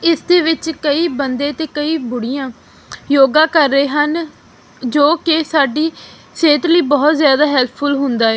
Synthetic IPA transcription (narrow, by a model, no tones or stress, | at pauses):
ɪsd̪eːʋɪt͡ʃkəiːbənd̪ẽːt̪eːkəiːbʊɽɪjãː | joːɡãːkəɾːeːɦən | d͡ʒoːkɪsaːɖiː | ʃeːt̪ɾliːbɔːt̪zjaːd̪aːɦɛlpʰːʊlɦʊnd̪aːɛː